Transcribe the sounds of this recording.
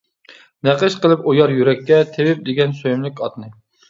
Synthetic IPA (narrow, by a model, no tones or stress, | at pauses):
næqəʃqəlˠɨpojɑɾjyɾɛkʲːɛt̪ʰewɪp̚d̪eɡʲɛnsojymlɪkʲɑt̪̚nɨ